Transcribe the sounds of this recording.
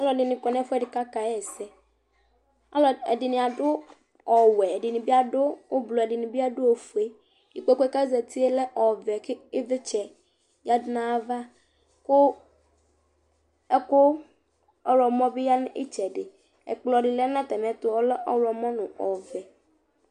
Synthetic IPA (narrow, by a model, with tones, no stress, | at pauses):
a˦lɔ˨dɪ˨nɪ̃˨kɔ˨nɛ̃˦fɛ˦˨dɪ˨ka˦ka˨ɛ˦˨sɛ˦ | a̰˦lɔ˨ɛ̰˨dɪ˨nɪ̃˨a˨dʊ˦ | ɔ˨wɛ˨ɛ˨dɪ˨nɪ̃˨bi˦a˦dʊ˦o˦blɔ˨ɛ˨dɪ˨nɪ̃˨bi˦a˦dʊ˦o˨fu˨e˦ | i˨kkɛ˦ka˦zɛ˨t̪i˦e˦lɛ˦ʔɔ˨vɛ˨kɪ˦ɪ˦vɪ˦t͡ʃɛ˨ | ja˦dɪ˦nã˦va˦ | kʊ˦ | ɛ˦kʊ˦ | ɔ˦wɔ˨mɔ̃˦bɪ˦ja˦nʊ̃˦ʔɪ̰˦t͡ʃɛ˨dɪ˨ | ɛ̰˨k͡plɔ˨ɖɪ˨lɛ˦nã˦t̪ɛ˨mɛ˨˦t̪ʊ˦ɔ˦lɛ˦ʔɔ˦wlɔ˨mɔ̃˦nʊ̃˨ɔ˨vɛ˨